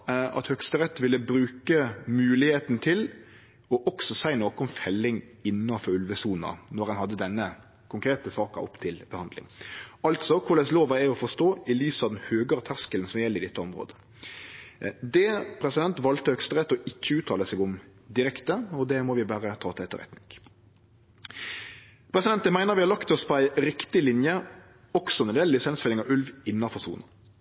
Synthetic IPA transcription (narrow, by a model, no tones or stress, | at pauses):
ɑ̰t̪hœkst̪əɾɛt̪ːʋɪlːəbɾʉːkəmʉːlɪheːt̪nt̪ʰɪl | ɔʔɔksɔsæɪnoːkəɔmfɛlːɪŋ | ɪnːɑfɔɾʉlʋəsuːnɑ̰nɔɾhɑnhɑd̪ːəd̪ɛnːə | kʰʊŋkɾeːt̪əsɑːkɑ̰ɔ̰pːt̪ʰɪlbəhɑnd̪lɪ̰ŋɑlt̪sɔkʰʊɾɖ̪ɛsloːʋɑæɔfɔʂt̪oːɪlyːsɑʋd̪nhøːɡəɾt̪ʰæʁskəlnsɔmjɛlːəɪd̪ɛt̪ːəɔmɾo̰ːd̪ə | d̪ɛpʰɾɛsɪd̪ɛnt̪ʋɑlt̪əhœkst̪əʁɛt̪ːɔɪçːəʉːt̪ʰːɑːləsɛɡʊmd̪ɪɾɛkt̪əɔd̪ɛmɔʋɪbæːɾət̪ʰɑːt̪ʰɪɛt̪ːə̰ɾɛ̰t̪nɪŋ | pʰɾɛsɪd̪ɛnt̪əmæɪnəɾʋɪhɑɾlɑkt̪ɔspʰɔæɪɾɪkt̪ɪlɪnjə | ɔksɔnɛnd̪eːl̩ɪsɛnsfɛlɪŋɑʉlʋɪnːɑfɔʁsṵːnə